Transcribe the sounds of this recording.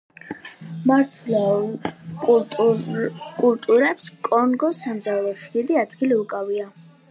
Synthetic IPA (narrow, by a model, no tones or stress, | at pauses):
maɾt̪ʰla | kʼ | kʼult̪ʼuɾɛpskʼɔnɡɔsamzalˠɔsd̪̥id̪iad̪ɡiliukʼavia